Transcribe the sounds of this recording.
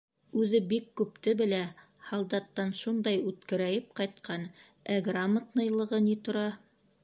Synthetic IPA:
ʉðɘbikːʉpt̪ɘbɘ̆læ | hɑlˠd̪ɑt̪ːɑnʃund̪ɑjʉt̪kɘ̆ɾæjɘp̚qɑjt̪̚qɑn | æɡramːət̪nɤ̆jlˠɤ̆ʁɤnit̪ŏɾɑ

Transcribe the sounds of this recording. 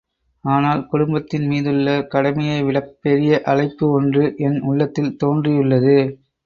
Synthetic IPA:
aːnaːlkʊɽʊmbɐt̪ːɪnmiːðɯɭːɐkɐɽɐmɐjɐɪʋɪɭɐkpːɛɾɪjɐʔɐlɐɪpːɯɔndrɯʔɛnʊɭːɐt̪ːɪlt̪oːndrɪjɯɭːɐðɯ

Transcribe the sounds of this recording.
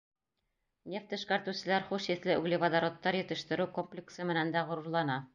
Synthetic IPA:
nʲeft̪ɘ̆ʃkæɾt̪ʉ̆sɘ̆læɾχuʃiθlɘʉ̰ɡlɘvad̪aɾot̪ːɑɾjɘ̆t̪ɘ̆ʃt̪ɘ̆ɾʉkomplʲɪksɤmɘ̆nænd̪æʁŏɾŭɾlˠɑnɑ

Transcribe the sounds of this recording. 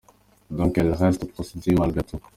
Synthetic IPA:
d̪ɔ̃kɛlʁɛst̪pχɔsed̪imalɡet̪u

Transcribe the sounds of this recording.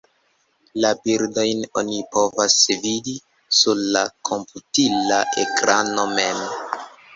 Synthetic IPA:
labiɾdo̞jno̞nipo̞vasvidi | suɾlakʰo̞mputilaʔekɾano̞me̞m

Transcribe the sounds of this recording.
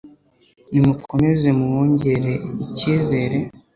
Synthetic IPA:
nimukʰo̞me̞ze̞muwoːɲɟe̞ɾe̞iciːze̞ːɾe̞

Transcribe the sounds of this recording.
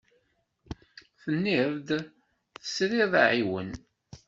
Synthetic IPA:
θənːiðˤd̪ | θə̥sɾiðˤa̰ʕiwə̰n

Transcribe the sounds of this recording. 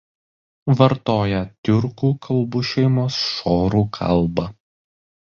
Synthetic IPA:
ʋɐɾt̪oːjɛt̪ʲʊɾkuːkʰɐlˠbuːʃʲɛɪmoːsʃoːɾuːkʰɐ̰lˠbɐ

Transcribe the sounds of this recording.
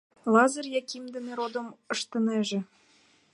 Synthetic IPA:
lɑzərjɑkʲimd̪eneɾod̪əməʃt̪ə̆neʒĕ

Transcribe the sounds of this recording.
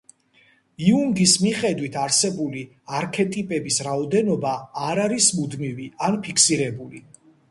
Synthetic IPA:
iund̪ismiχɛd̪wit̪ʰaɾsɛbuli | aɾkʰɛt̪ʼipʼɛbisɾaɔd̪ɛnɔbaːɾaɾismud̪mivianpʰikʰsiɾɛbuli

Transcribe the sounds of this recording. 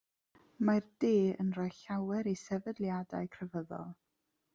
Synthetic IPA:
mard̥eːənrajɬawɛɾisɛvədlˠjadajkʰrəvəðɔ̰lˠ

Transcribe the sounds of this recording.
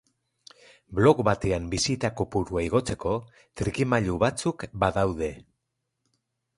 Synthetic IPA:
blo̞kbat̪eambisit̪akopuɾuaiɣ̞o̞t͡se̞ko̞ | t̪ɾikimaʎuβat͡sukbaðawðe̞

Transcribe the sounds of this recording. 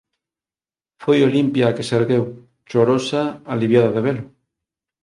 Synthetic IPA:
fojolimpjaːkeseɾɣew | t͡ʃoɾosaːliβjaðaðeβ̞elo

